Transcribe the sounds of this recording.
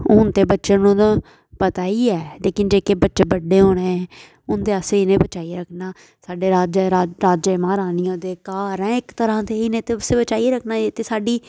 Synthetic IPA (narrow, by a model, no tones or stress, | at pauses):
ʊnt̪eːbətːʃənnũːt̪ã | pət̪aːiːɛːleːkɪnd͡ʒeːkeːbətːʃeːbəɖeːɦoːɽ̃eːɛː | ʊnt̪eːəseːɪnẽːbət͡ʃaːiɾəkʰnaː | saːɖeːɾaːd͡ʒɾaːɾaːd͡ʒemaːɾaːnĩd̪eːkaːɾɛ̃ːɪkt̪əɾãːt̪eːinẽːt̪eʊseːbət͡ʃaːiɾəkʰnaːeːt̪eːsaːɖiː